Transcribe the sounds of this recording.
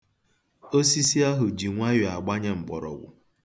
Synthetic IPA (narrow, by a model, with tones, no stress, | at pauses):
o˦si˦si˦a˦ɦʊ˨d͡ʒi˨ŋʷa˦jʊ˨a˨ɡ͡ba˦ɲe˦m̩˨bɔ˨ɾɔ̰˨ɡʷʊ̰˨